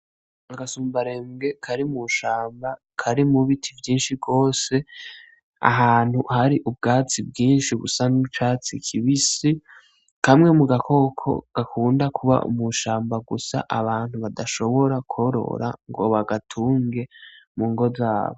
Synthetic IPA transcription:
aɡasuːmbaɾe̞ːmɡe̞kʰaɾimuʃaːmba | kʰaɾimuβitʰivjiːnʃibɡo̞ːse̞ | a̰ɦaːn̥huhaɾiʔub̚ɡaːt͡sib̚ɡiːnʃiɡṵsanut͡ʃaːt͡sikʰiβisi | kamŋe̞muɡakʰo̞kʰo̞̰ɡ̥akʰuːndakuβa̰ʔṵmuʃaːmbaɡusa̰ʔaβaːn̥huβadaʃo̞βo̞ɾako̞ɾo̞̰ɾa̰ŋɡo̞̰βaɡatʰuːŋɡe̞ | muːŋɡo̞zaːβo

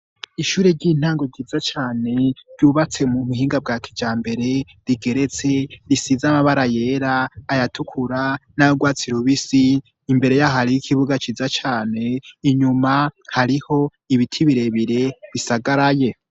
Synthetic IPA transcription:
iʃuːɾe̞ɾɟiːn̥haːŋɡo̞ɟiːzat͡ʃaːne̞ɾɟuːβat͡se̞muβuɦiːŋɡab̚ɡaːkʰi̥d͡ʒaːmbe̞ɾe̞ | ɾiɡe̞ɾe̞t͡se̞ɾisizamaβaɾaje̞ːɾaːjatʰukʰuɾanaoɡwaːt͡siɾuβisiː | mbe̞ɾe̞jahaɾijikʰiβuɡat͡ʃiːzat͡ʃaːne̞iɲumahaɾiho̞ | iβitʰiβiɾe̞βiɾe̞βisaɡaɾaje

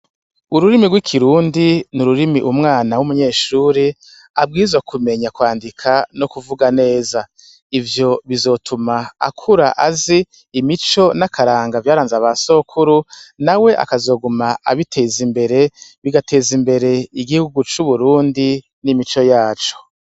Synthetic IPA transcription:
uɾuɾimiɡwikʰiɾuːndinuɾuɾimiʔumŋaːnawumuɲe̞ːʃuːɾi | ab̚ɡiːzwakume̞ɲakwaːndikʰano̞kuvuɡane̞ːza | ivjo̞βizo̞tʰumaa̰kʰuɾaʔaziː | mit͡ʃo̞nakʰaɾaːŋɡavjaːɾaːnzaβaso̞kʰuɾunawe̞ʔa̰kazo̞ːɡumaa̰βitʰeːzimbe̞ɾe̞βiɡatʰe̞ːzimbe̞ɾe̞iɡihuɡut͡ʃuβuɾuːndi | nimit͡ʃo̞jaːt͡ʃo̞̥

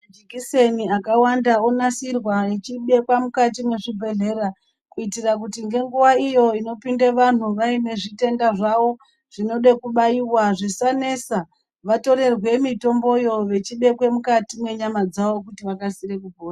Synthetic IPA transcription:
mad͡ʒikise̞niakawandaonasirwaet͡ʃiɓe̞kwamukat̬imwe̞ʐibʱe̞ɮe̞ra | kuitirak̬utiŋɡe̞ŋɡuʋaijo̞ino̞pindeʋan̤uʋaine̞ʐite̞ndaʐaʋo̞ | ʐ̥ino̞ɗekuɓaiwaʐisane̞sa | ʋato̞ɾe̞rwe̞mito̞mbo̞jo̞ʋe̞t͡ʃiɓe̞kwe̞mukatimwe̞ɲamad͡zaʋo̞kutiʋakasirekubʱoːra

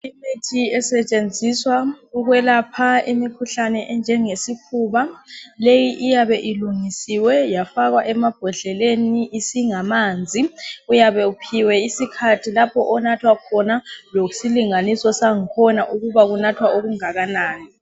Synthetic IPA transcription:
imetʰiɛsɛt͡ʃʼend͡zʱiswauɣwɛlapʰaimikʰuɬanɛʔɛnd͡ʒʱɛŋesikʰuβalejiʔːjaβɛʔiluŋisiwɛjafaɣ̬waʔɛmab̥ʱɔɮɛleniʔːsiŋamaːnd͡zʱiujaβɛupʰiwɛisikʰatʰilapʰɔʔɔnatʰwakʰɔnalosiliŋanisɔsaŋikʰɔnaʔuɣuβaɣ̬unatʰwaoɣ̬uŋaɣanaːni

